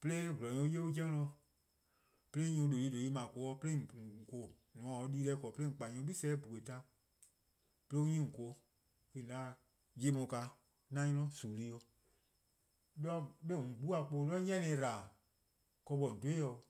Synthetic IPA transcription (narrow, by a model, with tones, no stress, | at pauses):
pe˧le˦vlɔ̃˨ɲõ˧˦je˦u˦d͡ʒɛ̃˦ŋ˦nɔ̃˧ | pe˧lẽ˦ɲõ˧˦lo˨li˧˦do˨i˧˦mã˨ko˨˦ɔ˧˦pe˦lẽ˦˨ko˨ | nɔ̃˨ã˨o˧˦liː˧˦lɛ˧˦kɔ˨pe˦ẽ˦˨k͡pa˨ɲõ˧˦ɓi˦sɛː˦bu˨e˨ta˧˦ | pe˧le˦u˦ɲĩ˦˨ŋ̩˨ko˧˨˦ | ke˧˨dã˨˦ | je˦mɔ̃˧˨ka˧˦ | nã˦ɲɔ̃˧lɔ̃˧˦suː˨li˧˦ɔ˧ | lɔ˦ɓe˦˨ũ˨ɡ͡bu˦a˨˧k͡po˧˦lɔ˦ɲɛ̃˦nɛ̃ː˧˨˦ɾaː˨ | kɔ˧ɓɔ˨n̩˨do˦e˦jɔ˧˨˧